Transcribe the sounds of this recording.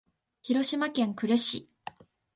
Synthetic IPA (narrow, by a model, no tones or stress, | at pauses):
çiɾo̞ɕimakẽ̞ŋkɯ̟ɾɯɕi